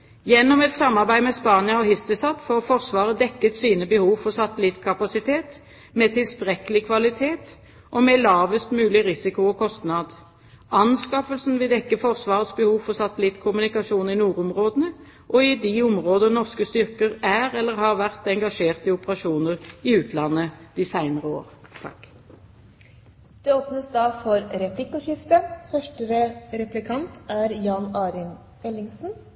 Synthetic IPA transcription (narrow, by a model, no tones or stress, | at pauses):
jɛnːɔmɛt̪sɑmːɑʁbæɪmɛspɑːnɪɑɔhɪst̪əsɑt̪foːʁfɔʁsʋɑːʁəd̪ɛkːət̪siːnəbəhuːʋfɔʁsɑt̪ːəlɪt̪ːkʰɑpɑsɪt̪ʰeːt̪ | mɛt̪ʰɪlst̪ʁɛkəlɪkʰʋɑlɪt̪ʰeːt̪ | ʔɔmɛlɑːʋəst̪mʉːlɪʁɪsɪkʊɔkʰɔst̪nɑd̪ | ʔɑnskɑfəlsnʋɪd̪ɛkːəfɔʁsʋɑːʁət̪sbəhuːʋfɔsɑt̪ːəlɪt̪ːkʰʊmʉnɪkɑʃuːnɪnuːɾʊmʁoːd̪ənə | ʔɔɪd̪ɪʊmʁoːd̪ənɔʁskəst̪ʏʁkəʁæʁɛlːəʁhɑːʁʋæʁt̪ɛŋɡɑʂeːʁt̪ɪʊpəʁɑʃuːnəʁɪʉːt̪lɑnːəd̪̥ɪsæɪnəʁəo̰ːʁt̪ʰɑ̰k | d̪̥ɛoːpnəsd̪ɑːfɔɾɾɛplɪkʊʃɪft̪əfœʂʈəɾəɾɛplɪkʰɑnt̪æɾjɑːnɑːɾɪn | ɛlːɪŋsn̩